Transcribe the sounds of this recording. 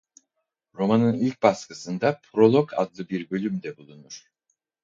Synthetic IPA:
ɾo̞manɯnilʲc̚baskɯsɯnd̪apʰɾo̞lˠo̞kʰa̰d̪lˠɯbiɾbø̞lʲymd̪ɛbulˠunuɾ̥

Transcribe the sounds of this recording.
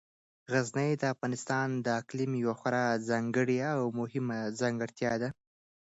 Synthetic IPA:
ɣaznajd̪əafɣɑnɪst̪ɑnd̪əaklɪmjwaxaɾɑzɑŋɡəɽjaːwmʊhɪmazɑŋɡəɽt̪jɑd̪a

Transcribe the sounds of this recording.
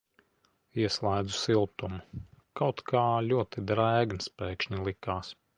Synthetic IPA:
iɛslˠajd̪zusilˠt̪umukawt̪kaːlʲuɔt̪id̪ɾæːɡnspɛːkʃɲilˠikaːs

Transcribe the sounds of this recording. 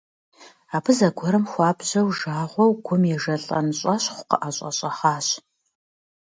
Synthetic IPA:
aːpʰɨzɐɡʷɔɾɨmxʷɑːbʑɐwʒaːʁʷɔwɡʷʊmjɛʒɐɬʼɐ̰nɕʼɐɕχʷʊ̥qə̰ʔaɕʼɐ̰ɕʼɐχaːɕ

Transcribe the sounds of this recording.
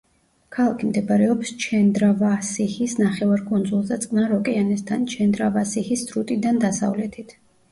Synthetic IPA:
kʰalˠakʰimd̪ɛbaɾɛɔpst͡ʃʰɛnd̪ɾavasihisnaχɛvaɾkʼund̪zulˠzat̪sʼqʼnaɾɔkʼɛanɛst̪ʰant͡ʃʰɛnd̪ɾavasihisɾut̪ʼid̪and̪asa̰vlɛt̪ʰit̪ʰ

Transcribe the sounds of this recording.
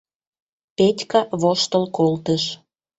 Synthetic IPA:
petʲkɑβoʃt̪əlkolt̪əʃ

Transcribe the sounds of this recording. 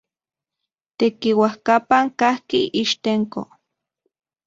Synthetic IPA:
t̪ekiwahkapaŋkahkiiʃt̪eŋko̰

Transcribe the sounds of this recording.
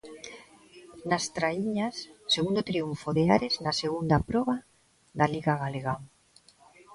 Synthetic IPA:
nast̪ɾaiɲasːeɣund̪ot̪ɾiuɱfoðeaɾeznaseɣund̪apɾɔβa | ðaliɣaɣaleɣaŋ

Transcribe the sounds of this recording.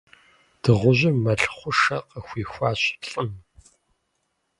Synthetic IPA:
d̥ɨʁʷʊʑɪmːɐɬχʷʊʂɐqəxʷiːxʷaːɕpʰɬʼɨm

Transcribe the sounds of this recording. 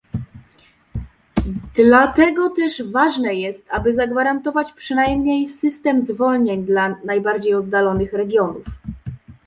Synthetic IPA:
d̪̥lat̪ɛɡɔt̪ɛʐvaʐnɛjɛst̪abɘzaɡvaɾant̪ɔvat͡ɕpʂɘnajmɲejsɘst̪ɛmzvɔlɲeɲd̪lanajbaɾd͡ʑejɔd̪̚ːalɔnɘxɾɛɡʲjɔnuf

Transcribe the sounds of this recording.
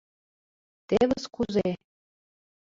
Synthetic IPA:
t̪eβəskuze

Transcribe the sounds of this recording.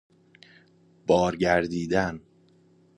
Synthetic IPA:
b̥ɒːɾɟæɾd̪iːd̪æn

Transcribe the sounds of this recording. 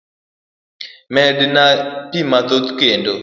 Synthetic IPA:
mɛdnapimat̪ot̪kendo

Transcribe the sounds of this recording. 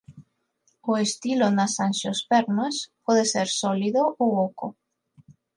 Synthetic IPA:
oest̪ilonasanʃospeɾnoespɔðeseɾsɔliðoʔowoko

